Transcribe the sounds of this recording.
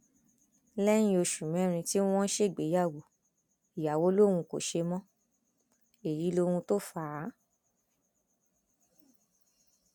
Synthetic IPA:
lɛ˦ñĩ˧˦o˧ʃu˨mɛ̃˨˦ɾ̃ĩ˧ti˦w̃ɔ̃˦ʃe˦˨ɡ͡be˨˦ja˦˨wo˨ | i˨ja˨wo˦lo˦˨ũ˧ko̰˨ʃe˧mɔ̃˦ | e˨ɾi˨˦lo˧hũ˧to˦fa˦˨˦

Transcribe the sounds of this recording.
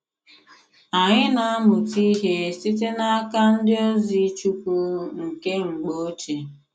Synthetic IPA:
a˨ɲɪ˦na˨a˦mʊ˨ti˦ɦe˦si˦t̬e˦na˦a˦ka˦n̩˦dɪ˦o˦zi˦t͡ʃu˦ku˦ŋ̩˨ke˦ŋ͡m̩˨ɡ͡bo˦t͡ʃe˨

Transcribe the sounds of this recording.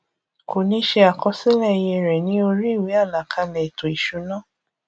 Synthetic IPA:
ko˨nĩ˧˦ʃe˧a˨kɔ˧se˦lɛ˦˨˧je˧ɾɛ˨nĩ˨˦o˧ɾi˦i˦˨we˨˦a˦˨la˨kʰa˧lɛ˨to˨i˨ʃu˨˦nã˦˨

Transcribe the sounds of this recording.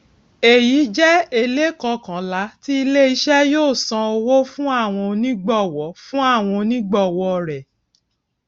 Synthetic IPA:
e˨ji˨˦d͡ʒɛ˦e˧le˦kɔ˧kã˨˦la˨˦ti˦i˧le˦i˧ʃɛ˦joː˦˨sã˧o˧wo˦fũ˦a˦˨w̃ɔ̃˧nĩ˦ɡ͡bɔ˦˨wɔ˨˦fũ˦a˦˨w̃ɔ̃˧nĩ˦ɡ͡bɔ˦˨wɔ˧ɾɛ˨

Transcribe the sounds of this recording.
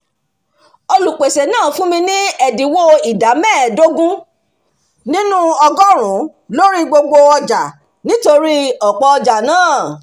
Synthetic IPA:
o˧lu˨k͡pe˨se˨nãː˦˨fũ˦mĩ˧nĩ˦ɛ˨di˨˦wo˦i˨da˨˦mɛ̃˦˨do˦ɡũ˦ | nĩ˦nũ˦ɔ˧ɡɔ˦ɾ̃ũ˨˦ | lo˦ɾi˦ɡ͡bo˧ɡ͡bo˧ɔ˧d͡ʒa˨ | nĩ˦to˧ɾi˦ɔ˨k͡pɔ˧ɔ˧d͡ʒa˨nãː˦˨

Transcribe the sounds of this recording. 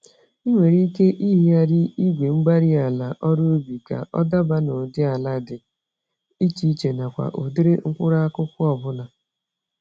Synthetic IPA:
i˦ŋʷe˨ɾi˦ke˦ʔi˦ɦi˦a˦dɪ˦i˦ɡʷe˨ŋ͡m̩˦ɡ͡ba˦ɾi˦a˨la˨ʔɔ˦ɾo˦bi˨ka̰˨ʔɔ̰˦da˦ba˦nʊ˨dɪ˦a˨la˦dɪ˨ | i˦t͡ʃi˨˦i˦t͡ʃe˨na˨kʷa̰˨ʔo˨dɪ˦ɾɪ˦ŋ̩˦kʷʊ˦ɾa˦a˦kʊ˦kʊ˦ɔ˨bʊ˦na˨

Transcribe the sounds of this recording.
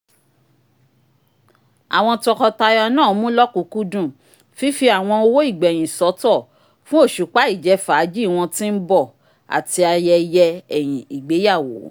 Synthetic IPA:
a̰˨w̃ɔ̃˧tɔ˧kɔ˧ta˧ja˧nãː˦˨˦mũ˦lɔ˦kũ˨˦ku˦dũ˦˨ | fi˦fi˧˦a˨w̃ɔ̃˧o˧wo˦i˦˨ɡ͡bɛ˨j̃ĩ˨sɔ˨˦tɔ˦˨ | fũ˦o˦˨ʃu˨˦k͡pa˦i˦˨d͡ʒɛ˨˧faː˨˦d͡ʒi˦˨w̃ɔ̃˧tĩ˦n̩˦bɔ˦˨ | a̰˨ti˧a˧jɛ˧jɛ˧ɛ˨j̃ĩ˨i˨ɡ͡be˨˦ja˦˨wo̰˨˦

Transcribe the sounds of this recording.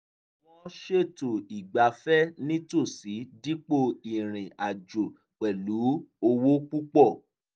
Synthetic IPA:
wɔ̃˦ʃe˦˨to˨i˨ɡ͡ba˨˦fɛ˦nĩ˦to˦˨si˨˦di˦k͡po˦˧i˨ɾ̃ĩ˨ʔa˨d͡ʒo˨ | k͡pɛ˨lu˨˦o˧wo˦k͡pu˦k͡pɔ˦˨

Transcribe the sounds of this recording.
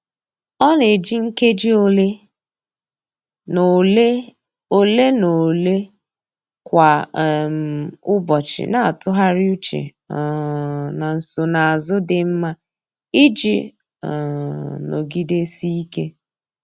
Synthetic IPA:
ɔ˦ne˨d͡ʒi˦ŋ̩˦ke˦d͡ʒi˦o˦le˦˨˦ | o˨le˦no˨le˦ | kʷa˨m˨ʊ˦bɔ˨t͡ʃɪ̰˨na˨a˨tʊ˦ɦa˦ɾɪ˦u˦t͡ʃḛ˨ | na˨n̩˨so˨na˨a˨zʊ˦dɪ˨m̩˦ma˦ | i˦d͡ʒḭ˨ | no̰˨ɡi˦de˦si˦i˦ke˦

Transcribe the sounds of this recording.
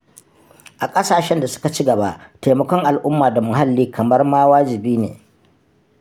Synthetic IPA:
ʔa˨kʼɐ˦saː˨ʃɛ˦nda˨sʊ̥˦ka˨t͡ʃi˦ɡɐ˨ba˦ʔteː˨mɐ˦kʷɔ˦ŋʔa˨lʔʊ˦mːaː˨da˨mʊ˨ɦa˦lːiː˦kʰɐ˨mɐ˦rmaː˦waː˦d͡ʒɪ˨biː˦nḛː˨

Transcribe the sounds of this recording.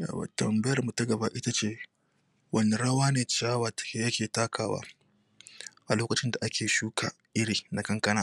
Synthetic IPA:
ja̰ː˨wa̰˨tɐ˨mbɐ˦jɐ˨rmu˨tɐ˦ɡɐ˨ba˦ʔɪ˦ta˦t͡ʃeː˦ | wɐ˦ne˨ɽɐ˦waː˦neː˨t͡ʃaː˦wɐ˨tke˦jɐ˦kʲeː˨taː˦kʰaː˨wa̰ː˦ | ʔa˨loː˦kɐ˨t͡ʃɪ˦nda˨ʔa˦kʲʰeː˨ʃuː˦kʰaː˨ | ʔɪ˦ɽiː˨na˨kɐ˦ŋkɐ˦naː˨

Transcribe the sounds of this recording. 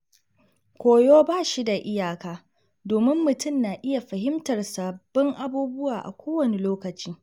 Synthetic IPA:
kʷoː˨joː˦baː˦˨ʃi˦da˨ʔɪ˦jaː˨kaː˦ | doː˨mɪ˦mːʊ˨tʊ˦˨mnaː˨ʔɪ˦ja˨ɸɐ˨ɦɪ˦mtɐ˨rsaː˨b̥ːɔ˦ŋʔa˦buː˦bʊ˦waː˨ʔa̰˨kʷoː˦wɐ˨ne˨loː˦kɐ˨t͡ʃiː˦

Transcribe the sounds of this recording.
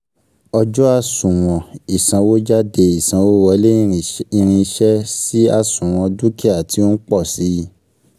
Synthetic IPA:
ɔ˧d͡ʒɔ˦a˧sũ˨w̃ɔ̃˨i˨sã˨˧wo˦d͡ʒa˦de˧i˨sã˧wo˦wɔ˧˦le˦i˧ɾ̃ĩ˧i˧ʃɛ˦si˦a˧sũ˨w̃ɔ̃˧du˦ke˦a˨ti˧˦o˦n̩˦k͡pɔ˦˨si˨˦

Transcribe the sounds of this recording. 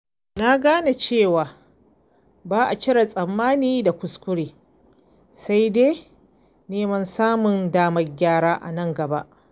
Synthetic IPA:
na˦ɡaː˦na˨t͡ʃeː˦˨waː˨ | baː˦ʔa˨t͡ʃɪ˦ɽa˨sʼɐ˨mːaː˦niː˦da˨kʷʊ˨skʷʊ˦ɽeː˨ | sa˦jdeː˦ | neː˦mɐ˦nsaː˦mʊ˨ndaː˦mɐ˦rɡʲaː˦ɽaː˦ʔa̰˨nɐ˦˨ŋɡɐ˨ba̰˦ʔ

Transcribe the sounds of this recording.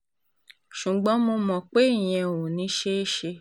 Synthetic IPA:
ʃu˨ɡ͡bɔ̃˨˦mo˧mɔ̃˨k͡pe˦i˦˨j̃ɛ̃˧˨wũ˨nĩ˨˦ʃe˦e˦ʃe˧

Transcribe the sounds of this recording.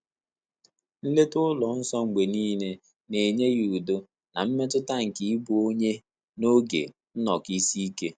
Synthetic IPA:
n̩˦le˦tʊ˦lɔ˨n̩˦sɔ˦ŋ͡m̩˨ɡ͡be˨niː˦ne˦ | ne˨ɲe˦ɣu˨u˨do˦ | na̰˨m̩˦me˦tʊ˦ta˦ŋ̩˨ki˨˦i˦bu˨˦o˦ɲe˦ | no˦ɡḛ˨ | n̩˦nɔ˨ki˦si˦i˦ke˦

